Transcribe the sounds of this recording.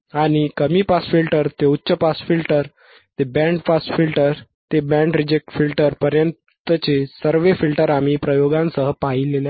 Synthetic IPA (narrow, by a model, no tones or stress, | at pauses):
aɽ̃ikəmiːpasfilʈəɾt̪eutːɕəpasfilʈəɾ | t̪ebɛ̃ɳɖpasfilʈəɾ | t̪ebɛ̃ɳɖɾid͡ʑek̚ʈfilʈəɾpəɾjənt̪ət͡ɕesəɾʋefilʈəɾam̤iːpɾəjoɡãnsəɦəpaɦilele